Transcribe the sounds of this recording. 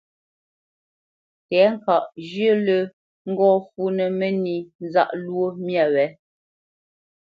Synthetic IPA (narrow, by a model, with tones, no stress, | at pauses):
tɛ˨˦ŋ̩˦˨ka˨ʔd͡ʒə˦lə˦ | ŋ̩˦ɡɔː˦fu˦nə˨mə˦ni˨n˦za̰˦ʔlwo˦mja˨wɛ˨˦